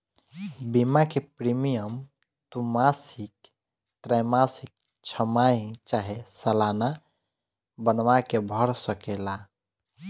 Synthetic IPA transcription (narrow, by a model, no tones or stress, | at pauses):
bimakepɾimijəm | t̪umasik̚ | t̪ɾajmasik̚ | t͡ʃʰəmajt͡ʃaɦesəlana | bənʋakebʱəɾsəkela